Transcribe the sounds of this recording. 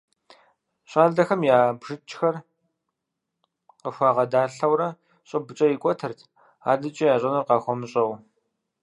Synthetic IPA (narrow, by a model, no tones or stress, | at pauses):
ɕʷʼaːɮdɐxɐmjaːbʐɨt͡ʃʰʼxɐr | qəxʷɑːʁɐdaːɬɐwɾɐ | ɕʼɐbɨt͡ʃʼɐjikʷʼɔtʰɨrtʰ | a̰ːdɨt͡ʃʼɐjaːɕʼɐnɐrqɑːxʷɔmɨɕʼɐw